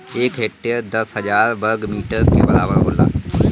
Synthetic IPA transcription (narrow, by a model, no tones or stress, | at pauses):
eːkɦeːk̚ʈeɾd̪əsɦəd͡ʒaːɾbəɾɡmiːʈəɾkḭːbəɾaːʋəɾɦo̰ːla̰ː